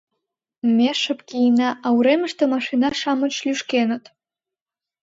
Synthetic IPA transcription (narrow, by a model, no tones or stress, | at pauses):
meʂɨpʼɡʲiinaʔawɾemɨʂt̪ʰɐmaʂinaʂamɨt͡ʃʰlʲyʂkʲenɨtʼ